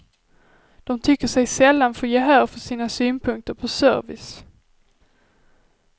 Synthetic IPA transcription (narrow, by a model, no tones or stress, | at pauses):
d̪̥ɔmt̪ʰʏkːəʂɛjsɛlːanfojeːɦæːɾfœʂiːnasyːnpʰɵŋk̚t̪əɾpʰɔsœ̰ɾvɪ̰s